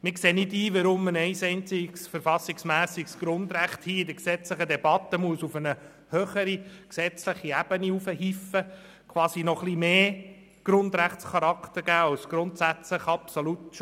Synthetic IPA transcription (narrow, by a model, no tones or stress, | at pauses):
mɪkseːnɪdiːʋəɾʊmənɛɪsɛɪnt͡sɪɡsfəɾfɑsiksmæːsɪɡsɡ̥ɾʊnd̪ɾæχt̪hiːɪdəksɛt͡sləχəd̪ɛbɑt̪əmuəsufənə | høːχəɾiksɛt͡sləχiæb̥əniufəhifə | kʰʋɑːsinɔχlimeː | ɡ̥ɾʊnd̪ɾæχtt͡sχɑɾɑkt̪əɾɡ̥æːɑwsɡ̥ɾʊnt̪sæt͡sləχɑpsolutʃ